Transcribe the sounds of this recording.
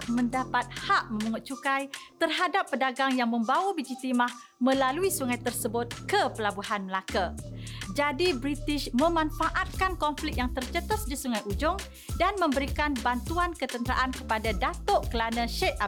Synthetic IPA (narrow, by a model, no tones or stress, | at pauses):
məndapat̪̚haʔmə̃muŋʊt̪̚t͡ʃukajt̪ərɦadapːədaɡaŋjaŋmə̃mbawabid͡ʒit̪imah | mə̃laluisuŋajt̪ərsəbʊt̪̚kəpəlabuɦanməlakad͡ʒadibɾit̪ɪʃmə̃mãnfaʔat̪̚kankɔmflɪk̚jaŋt̪ərt͡ʃət̪əsdisuŋajʔud͡ʒʊŋ | danmə̃mbəɾikanbant̪uankət̪ənt̪əɾa̰ʔankəpadadat̪ɔʔkəlanə̃ʃɛt̪̚a